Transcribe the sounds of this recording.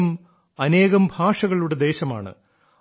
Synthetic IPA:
m | ɐne̞ːɣɐmbʱaːʂɐɣɐɭuɽe̞d̪e̞ːɕɐma̰ːɳɨ̰

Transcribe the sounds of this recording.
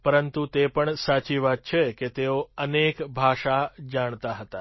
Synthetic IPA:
pəɾənt̪ut̪epəɳsat͡ʃiʋad̪̚t͡ʃʰeket̪eoənekbʱaʃad͡ʒaɳ̃t̪aɦət̪a

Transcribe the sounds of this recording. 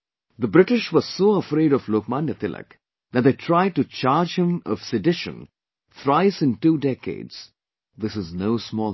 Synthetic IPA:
ðəbɾɪʈɪʃʋɔz̥soːəfɾeɪɾɔfloːkmãnjət̪ɪlʔə̰k | ðæt̚d̪eːʈʰɾaɪɖ̚ʈut͡ʃaːɾd͡ʒhɪ̃mɔ̰v̥sɪɖɪʃə̰̃n | t̪ʰɾaɪsɪ̃nʈuːɖɛkḛɪdz̥ | ðɪsɪznoʊsmɔːl

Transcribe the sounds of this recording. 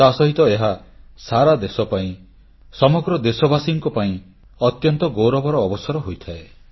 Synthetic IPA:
t̪asɔɦit̪ɔeɦasaɾad̪esɔpaĩ | sɔmɔɡɾɔd̪esɔbasiŋkɔpaĩ | ɔt̪jɔnt̪ɔɡowɾɔbɔɾɔːbɔsɔɾɔɦojt̪ʰae

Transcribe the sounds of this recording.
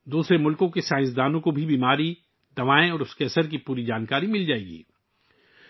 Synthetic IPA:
d̪uːsɾemʊlkõkesãːɪ̃ns̬d̪aːnõkobʱibiːmaːɾi | d̪ɐʋaːẽɔːɾʊskeɐsəɾk̬ipuːɾid͡ʒaːnkaːɾimɪld͡ʒaːeːɡḭː

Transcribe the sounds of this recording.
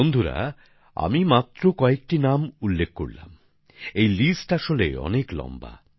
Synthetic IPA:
ond̪ʱuɾa̰ | a̰mimat̪ːɾokɔek̚ʈinamulːek̚ʰkːo̰ɾla̰m | ejlisʈaʃolḛɔ̰neklɔ̰mba̰

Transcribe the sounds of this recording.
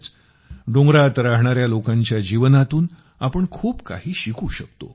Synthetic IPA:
t͡s | ɖõŋɡɾat̪ɾaɦɳ̃aɾjalokãɲt͡ɕjad͡ʑiʋənat̪uːn | apəɳkʰuːbka̰ɦiːɕikʰuːɕək̚t̪o̰

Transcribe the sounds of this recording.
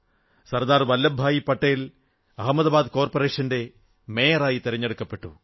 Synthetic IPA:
sɐrd̪aːrʋɐlːɐbʱaːjipːɐʈːɐjil | ɐɦɐmːɐðɐbaːd̪koːrpɐre̞ːʂɐnde̞ | me̞ːjɐɾaːjit̪iɾɐɲːe̞ɽukːɐpːe̞ʈːu

